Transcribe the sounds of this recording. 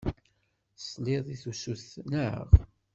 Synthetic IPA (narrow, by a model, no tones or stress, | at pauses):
sˤliðˤiθusuθnəə̰ʁ